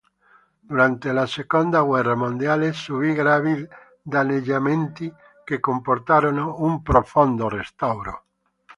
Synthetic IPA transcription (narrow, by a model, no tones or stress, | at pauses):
d̪̥uɾant̪elasekond̪aɣwɛramõnd̪jalesuβiɣɾaβið | d̪aneʎamẽnt̪i | kekompoɾt̪aɾonumpɾofond̪orest̪awɾo̰